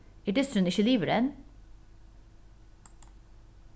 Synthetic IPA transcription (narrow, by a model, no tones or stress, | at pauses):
iːʈɪst̪ɾʉnɪçəliːʋəɾɛn